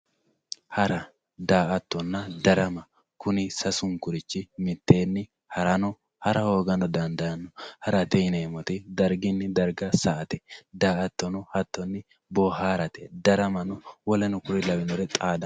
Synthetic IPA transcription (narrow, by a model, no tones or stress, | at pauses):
hɐɾɐ | d̪aːʔɐt̪ːɔnːɐd̪ɐɾɐmɐ | kʊnɪsɐsʊŋkʊɾɪt͡ʃːɪmɪt̪ːe̞ːnːɪ | hɐɾɐnɔ | hɐɾɐho̞ːɡɐnɔd̪ɐnd̪ɐɐnːɔhɐɾɐt̪ɛneːmɔt̪ɪd̪ɐɾɡɪnːɪd̪ɐɾɡɐsɐʔɐt̪ɛd̪aːɐt̪ːɔnɔhɐt̪ːɔnːɪ | bɔhaːɾɐt̪ɛ̥d̪ɐɾɐmɐnɔwɔlɛnʊkʊɾɪlɐbɪnɔɾɛt̪ʼaːd̪ɐ